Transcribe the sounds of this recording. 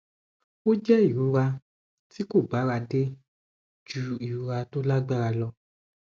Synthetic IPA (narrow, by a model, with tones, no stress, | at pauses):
o˦d͡ʒɛ˦i˦˨ɾu˨˧˦ɾa˧ | ti˦ko˦˨ɡ͡ba˨˦ɾa˧de˦ | d͡ʒu˧i˨ɾu˨˦ɾa˧to˦la˦ɡ͡ba˦ɾa˧lɔ˧